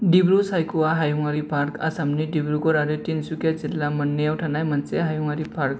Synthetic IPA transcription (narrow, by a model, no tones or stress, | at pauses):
ɖibɾusajkuʋaɦajuŋaɾipaɾka̰samniɖibɾukɔɾaɾet̪insukjad͡zilːamənːjewʈʰanajm̤ənt͡seɦajuŋaɾipaɾk̚